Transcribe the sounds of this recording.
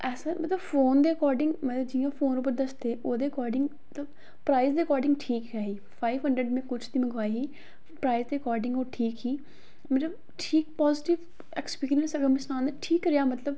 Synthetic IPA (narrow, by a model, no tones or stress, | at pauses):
ʔɛːsãmət̪ləbfʰoːnd̪eːɪkɔːɾɖɪ̃ŋɡmələbd͡ʒijãːfʰoːnʊpəɾd̪əst̪eːʔoːd̪eːɪkɔːɾɖɪ̃ŋɡmət̪ləb | pɾaːɪzd̪eːəkɔːɾɖɪ̃ŋɡʈʰiːkɦɛːɦiː | pʰaːiʋɦəɳɖɾəɖmẽːkʊt͡ʃʰd̪iːməɡaːiɦiː | pɾaːizd̪eːɾəkɔːɾɖɪ̃ŋɡoːʈʰiːkɦiː | mət̪ləb | ʈʰiːk̚pɔːzɪʈɪʋ | ɛkspiːkɾiənsəɡəɾmɛ̃ːsʊnãːnd̪eʈʰiːkɾejaːmət̪ləb